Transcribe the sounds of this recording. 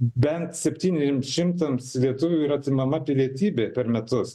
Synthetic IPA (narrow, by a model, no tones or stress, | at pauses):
bʲɛnt̪sʲɛpʲt̪ʲiːnʲɛzʲʃʲɪmsʃʲɪmt̪ɐmslʲiɛt̪ʊʋʲʊiːɾɐt̪ʲɪmɐmɐpʲɪlʲiɛt̪ʲiːbʲeːpʲɛɾmʲɛt̪ʊs